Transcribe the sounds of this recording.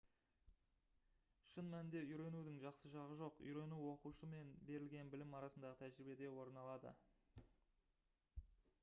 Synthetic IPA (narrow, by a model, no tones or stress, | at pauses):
ʃənmænɪnd̪e̞ʏjɾe̞nud̪ɪŋʒɑqsəʒɑʁəʒo̞qḭjɾe̞nuwo̞quʃəme̞nbe̞ɾɪlɡʲe̞nbɪlɪmɑɾɑsənd̪ɑʁət̪ʰæʒɪɾɪbe̞d̪e̞wo̞ɾnɑlˠɑd̪ə̰